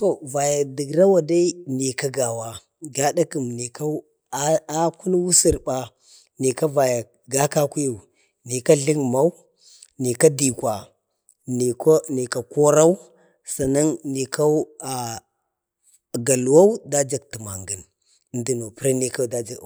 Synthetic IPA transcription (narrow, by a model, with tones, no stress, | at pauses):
to˨va˨ja˨di˨ɡɾa˦wa˨da˦i˦ni˨ka˦ɡa˨wa˦ | ɡa˦da˦ki˨mni˨ka˦ | a˦ku˦n˦wu˦si˨ɾba˨ | ni˨ka˦va˨ja˨ | ɡa˦ka˦ku˦ja˨ | ni˨ka˦ɮi˦ŋma˦wu˦ | ni˨ka˦di˨kʷa˨ | n˨kni˨ka˨ko˦ɾa˦u˦ | sa˨na˦nni˨ka˦a˨ | ɡa˨lu˨wa˦u˦da˦d͡ʒa˨ɡti˨ma˨ŋɡə˨n˨ | ndi˦no˨pi˦ɾa˦ni˨ka˦˨da˦d͡ʒa˨